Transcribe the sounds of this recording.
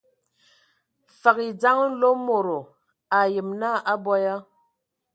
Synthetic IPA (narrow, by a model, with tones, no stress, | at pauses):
fa˨ki˨d͡za˦ŋ˦n̩˦lo˦mo˨ɾo˨ | a˨jə˨mna˦˨ʔa˦bɔ˦ja˦